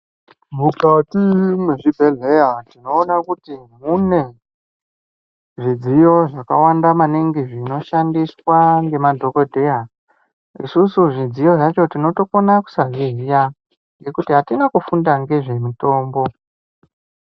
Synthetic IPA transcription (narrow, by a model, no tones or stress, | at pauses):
mukatimweʐibʱe̞ɮe̞jatino̞ːnakutimune̞ | ʐid͡zijo̞ʐakawandamaniŋɡiʐino̞ʃandiswaŋɡe̞madʱo̞ko̞dʱe̞ja | ḭsusuʐid͡zijo̞ʐat͡ʃo̞tino̞to̞konaku̥saʐiɦija | ŋɡe̞kutiɦatinakufundaŋɡe̞ʐe̞mito̞ːmbo̞